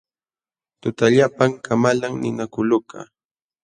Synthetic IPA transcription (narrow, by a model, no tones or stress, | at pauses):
t̪ʊt̪aʎapaŋkʰamalaŋnɪnakʊlʊka̰